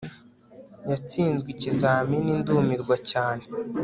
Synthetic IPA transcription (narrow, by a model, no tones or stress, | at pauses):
jat͡siːnzɡwicizaːminindumiɾɡwacaːne